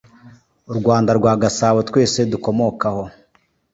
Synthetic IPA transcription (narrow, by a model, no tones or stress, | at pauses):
uɾɡwaːndaɾɡwaːɡasaːwetwe̞ːse̞duko̞mo̞kaho̞